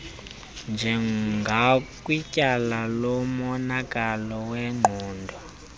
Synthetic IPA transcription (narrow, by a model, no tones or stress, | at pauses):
nd͡ʒʱɛŋɡʱakʼwicʼalalɔmɔnakʼalɔwɛŋ͡ǃʱɔːndʱɔ